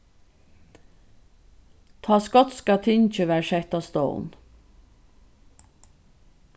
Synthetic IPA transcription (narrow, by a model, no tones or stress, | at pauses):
t̪ʰɑːskɔt̪skɑt̪ʰɪnt͡ʃəʋæːɾʃɛht̪ɑːst̪o̰ʊn